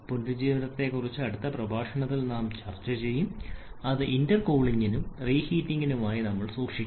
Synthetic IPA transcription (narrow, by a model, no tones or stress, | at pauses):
pundud͡ʑiːʋɐnɐt̪ːe̞kːurit͡ɕːɨɐɽut̪ːɐprɐbʱaːʂɐɳɐt̪ːilnaːmt͡ɕɐrt͡ɕːɐt͡ɕe̞jːumɐðɨʔindɐrko̞ːɭiŋɡinumriːhiːtːiŋɡinumaːjinɐmːɐɭsuːkʂi